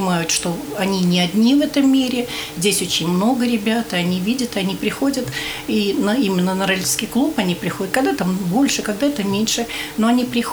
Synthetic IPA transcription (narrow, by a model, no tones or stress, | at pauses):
ɪmajʊt̪ʂt̪o̞ɐnʲinʲɪɐdʲnʲivɛt̪əmːʲiɾʲɪzʲdʲesʲo̞t͡ɕɪnʲmno̞ɡəɾʲɪbʲat̪ɐnʲivʲidʲət̪ɨɐnʲipɾʲɪxo̞dʲət̪inəimʲɪnːənəɾalʲskʲɪjklˠupɐnʲipɾʲɪxodʲət̪̚kɐɡd̪at̪ambo̞lʲʂɨkɐɡd̪at̪əmʲenʲʂɨnoɐnʲipɾʲɪx